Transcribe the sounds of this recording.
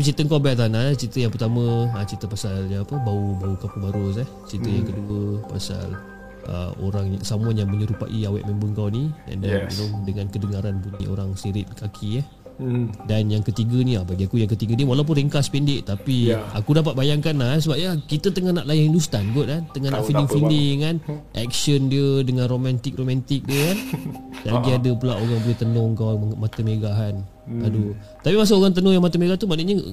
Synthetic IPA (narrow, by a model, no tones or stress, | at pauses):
tapit͡ʃit̪əŋkawbat̪̬anaat͡ʃit̪əjãŋpərt̪amə̃ːt͡ʃit̪əpasaljaŋapəbaubaukapubaɾos̬aht͡ʃit̪əjaŋkəduəpa̰sa̰l | ʔə̰o̰ɾaŋjasamuanjaŋməɲəɾupa̰ʔiawɛ̰ʔmɛmbəŋkawniɛ̰ndanḭnodəŋãnkədəŋaɾanpuɲiʔo̰ɾaŋsiɾɪt̪̚kakʰiah | danjaŋkət̪iɡənĩabaɡiakujaŋkət̪iɡəniwalawp̬ʊnɾiŋkaspɛndɪʔt̪apia̰kudap̬at̪̚bajaŋkanlasəbap̚jakit̪ət̪əŋanaʔlajaŋindust̪anɡɔt̪̚kant̪əŋanaʔfilɪŋffilɪŋkanʔɛ̰k̚səndiədəŋanromant̪ɪk̚romãnt̪ɪk̚diəkandaʔlaɡiadəpulaʔoɣaŋbolɛht̪ənɔŋkawamat̪əmeɡaɦan | adu | t̪apimas̬aoɣaŋt̪ənɔŋjaŋmat̪əmeɡaht̪umaniʔɲə